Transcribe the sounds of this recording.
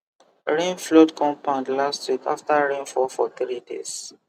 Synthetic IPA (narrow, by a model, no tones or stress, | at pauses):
ɹĩnflɔtkʰɔ̃mpãndlastwikaftaɹẽnfɔfɔ̰θɹidḛs